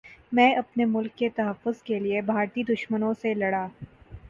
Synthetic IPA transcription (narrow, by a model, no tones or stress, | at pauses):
mɛ̃ːʔɐpnemʊlkːet̪ɐɦəfːʊzkeliebʱaːɾt̪iːd̪ʊʃmənõselɐɽaː